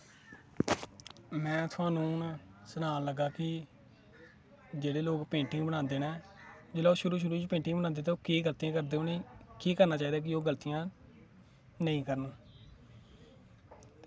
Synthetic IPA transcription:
mɛ̃ːt̪ʰʊãːnũːnsənaːnləɡːaːkɪ | d͡ʒeːɽeːloːkpẽːɳʈɪ̃ŋɡbəɽãːnd̪eːnɛː | d͡ʒeːlaːoːʃʊɾuːʃ̬ʊɾuːt͡ʃpẽːɳʈɪ̃ŋɡbənãːnd̪eːt̪aoːkiːɡəlt̪ijãːkəɾd̪eːoːnekiːkəɾnaːt͡ʃaːiːd̪aːk̬ɪoːɡəlt̪ijãː | nəĩːkəɾən

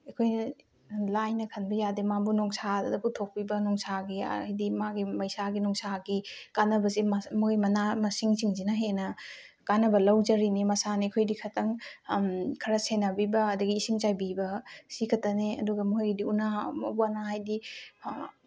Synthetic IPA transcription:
ekʰojnɐ | lajnɐkʰɐnbɐjademabunɔŋsadɐputʰok̚pibɐnɔŋsaɡḭjdimaɡimɐjsaɡinɔŋsaɡikanɐbɐzemmojmɐnamɐsiŋsiŋzinaɦenɐ | kanɐbɐlɐwd͡ʒɐɾinimɐsanikʰojdikʰɐtʰɐŋ | kʰɐɾɐsenɐbibɐːdɐɡiːsiŋt͡ʃajbibɐsikʰɐtɐneɐ̰duɡɐmuɦjɡidiunamɐ̰buanaɦajdi

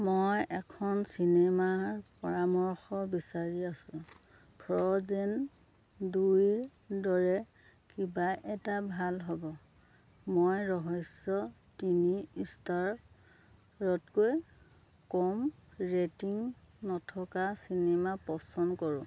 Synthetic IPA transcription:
mojʔɛkʰɔnsinemaɹpɔɹamɔɹxɔbisaɹiasʊ̃ | pʰɔzen | duɹ | dɔɹɛ | kibaʔɛtabʱalɦɔbɔ | mojɹɔɦɔsɔ | tiniistaɹ | ɹɔtkoj | kɔmɹetiŋ | nɔtʰɔkasinemapɔsɔnkɔɹʊ̃

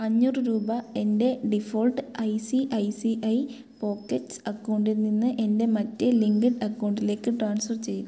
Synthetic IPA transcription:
ɐɲːuːrɨɾuːbɐe̞nde̞ɖifoːlʈɨɐjsiʔɐjsiʔɐj | po̞ːkːetːɨsɐkːɐwɳɖiɾnːinːɨʔe̞nde̞mɐtːeliŋɡɐʈɐkːɐwɳɖile̞ːkːɨʈraːɳsfɐrt͡ɕe̞jun

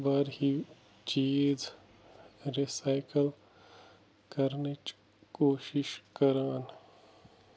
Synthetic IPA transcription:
baɾɦi | t͡ʃiːd͡ʒ | ɾisaːɪkəl | kɐɾnet͡ʃ | koːʃɪʃkəɾaːn

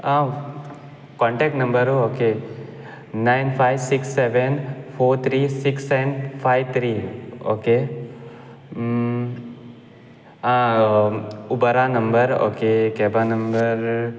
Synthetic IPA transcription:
ã | kɔ̃ɳʈek̚ʈnɐmbəɾɦooːke | naɪnpʰajʋsiksːeʋenpʰoːɾt̪ʰɾiːsiksːɛnpʰajʋt̪ʰɾiːo̰ke | ã | ʊbəɾanəmbəɾo̰ːkekeːbanəmbəɾ

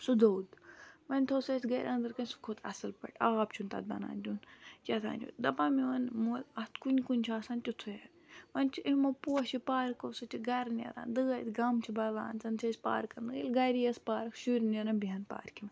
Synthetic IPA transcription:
sud̪owd̪ʋɐnʲt̪ʰoːsesʲɡɐjɾʔɐnd̪ɐɾkɐnʲsu̥kʰot̪ʰɐ̰sɨlpɐ̰ʈaːpt͡ʃʰunt̪ɐ̰d̪̚bɐ̰na̰ːnʲd̪ʲunt͡ʃɐt̪ʰa̰ːnʲd͡ʒo̰ːd̪ɐpaːmiʋɐnmulɐst̪kunʲkunʲt͡ʃʰaːsant̪ʲut̪ʰujɐɾ | ʋɐnʲt͡ʃʰiʔimopuɐʃipaːɾkosɨt͡ʃʲʰiɡɐɾnʲɐ̰ɾa̰ːnd̪ɨɡɐjt̪ɡɐmt͡ʃʰibɐla̰ːnt͡sɐnt͡ʃʰeːsʲpa̰ːɾkɐɾnɡilɡɐɾijɐspaːɾɐkʰʃuɾʲnʲɐɾɐnbiɦɐnpa̰ːɾkʰim

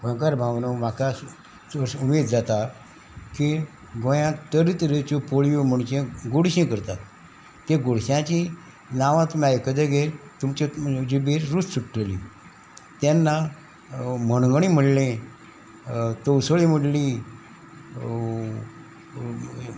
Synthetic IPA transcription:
bə̃kaɾbʱawnomaka | əumed̪d͡zat̪a | ki | ɡõjãt̪əɾit̪ɾet͡ɕopoɭijom̤əɳt͡ɕẽɡoɽɕẽkəɾt̪at̪ː | eɡoɽɕjãt͡ɕi | naʋãt̪umajkəd̪eɡelt̪umt͡ɕed͡ʑibeɾɾussuʈʈəlḭ̃ | t̪janːa | məɳɡɳ̃im̤əɽlẽ | t̪owsəɭiməɽli

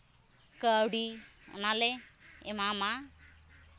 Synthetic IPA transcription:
kawɽḭ | nale | ḛmama

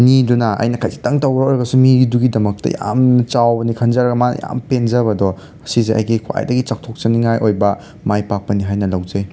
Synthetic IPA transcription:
nidunɐɐ̰jnɐkʰajsi̥tɐŋtɐwɾoɾɐɡɐsumiɡiduɡidɐmɐk̚tɐ̰ja̰mt͡ʃawbɐnikʰɐnd͡ʒɐɾɐɡɐma̰ja̰mpenzɐbɐdɔ | ɐsizeʔɐ̰jɡikʰwa̰jdɐɡit͡ʃak̚tʰok̚t͡ʃɐniŋajʔojbɐ | majpak̚pɐniɦajnɐlɐwzɐj

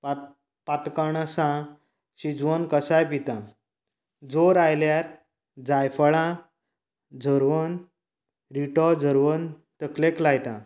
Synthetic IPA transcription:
pat̪kəɳasã | ɕid͡zʋənkəsajpit̪ã | d͡zoɾajljaɾ | d͡zajfəɭã | d͡zʱəɾʋən | ɾiʈɔd͡zʱəɾʋən | t̪əkleklajt̪ã

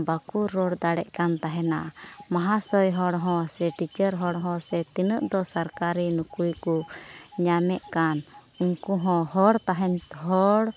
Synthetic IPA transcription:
bakuɾɔɽd̪aɽɛʔkant̪aɦɛnamaɦasɔjɦɔɽɦɔ̃sɛʈit͡ʃəɾɦɔɽɦɔ̃sɛt̪inəʔd̪ɔsaɾkaɾinukujkuɲamɛʔkanuŋkuɦɔ̃hɔɽt̪aɦɛnɦɔɽ

